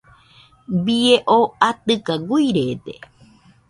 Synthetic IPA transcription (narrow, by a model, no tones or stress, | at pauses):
bieʔoat̪ɨkaɡuiɾet̪e